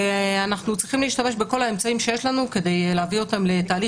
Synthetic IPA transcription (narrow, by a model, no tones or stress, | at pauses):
anaχnut͡sʁiχimleiʃt̪ame̞ʃbeko̞lae̞mt͡saimʃejeʃlanuke̞d̪e̞jleaviot̪amle̞t̪aːli